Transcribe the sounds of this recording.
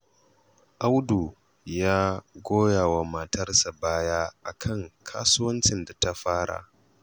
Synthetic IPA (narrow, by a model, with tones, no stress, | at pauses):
ʔa˦wdu˨ | jaː˦ɡʷoː˦jaː˨wa˨ma˨tɐ˦rsa˨baː˦jaː˦ʔa˨kʰɐ˦˨ŋkʰaː˦sʊ˦wɐ˦nt͡ʃɪ˨nda˨ta˦ɸaː˦ɽa̰˨ʔ